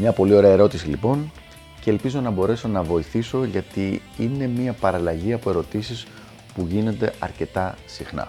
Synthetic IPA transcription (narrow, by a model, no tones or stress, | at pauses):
mɲɐpo̞lio̞ɾe̞ɐeɾo̞t̪isilipo̞n | ceːlpizo̞nɐbo̞ɾe̞so̞nɐvo̞iθiso̞ʝɐt̪i | ine̞miɐpɐɾɐlɐʝiɐpo̞e̞ɾo̞t̪isis | puʝino̞nd̪e̞ɐ̰ɾce̞t̪ɐsixnɐ̰